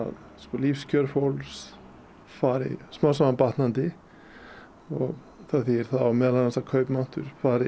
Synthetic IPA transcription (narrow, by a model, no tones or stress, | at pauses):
a̰ð | skɔlifscœɾfowls | faːɾɪ̰smaːwsaapaht̪nant̪ɪ | ɔɣ | θaθiɛɾ̥θaðawmɛːðlanθɛsakʰœːɥpmawn̥t̪ʏɾ̥faːɾɪ